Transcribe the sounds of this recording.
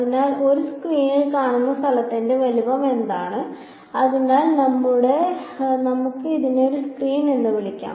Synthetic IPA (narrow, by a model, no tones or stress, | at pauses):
ɐðinaːlo̞ɾuskriːnilkaːɳunːɐst̪ʰɐlɐt̪ːinde̞ʋɐlibɐme̞nd̪aːɳɨ | ɐðunaːlnɐmːuɽe̞nɐmukːɨiðineo̞ɾuskriːnenːɨʋiɭikʲːa̰ːm